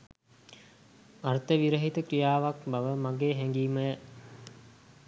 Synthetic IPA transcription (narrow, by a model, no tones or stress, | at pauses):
art̪əʋiɾəɦit̪əkɾijaːʋak̚bɐʋəmaɡeːɦɛŋɡiːməjə